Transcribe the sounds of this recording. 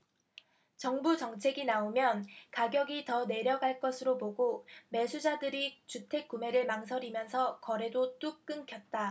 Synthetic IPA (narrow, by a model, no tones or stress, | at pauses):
t͡ɕʌŋbut͡ɕʌŋt͡ɕʰe̞ɡinaomjʌnkaɡjʌɡitʌne̞ɾjʌɡɦaɭk͈ʌsʰɯɾopoɡome̞sʰud͡ʑadɯɾit͡ɕutʰe̞k̚k͈ume̞ɾɯɭmaŋs̬ʰʌɾimjʌnsʰʌkʌɾe̞dot͈uk̚k͈ɯŋkʰjʌt̚t͈a